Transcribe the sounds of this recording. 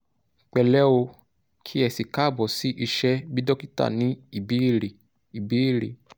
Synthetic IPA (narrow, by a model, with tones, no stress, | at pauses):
k͡pɛ˨lɛ˦o˧ | kʰi˦ɛ˧˨si˨ka˦˨bɔ˨si˦ʔi˧ʃɛ˦bi˦dɔ˦ki˦ta̰˦˨nĩ˨˦i˦˨bi˨˦˨ɾe˨ | i˨bi˨˦i˦˨ɾe˨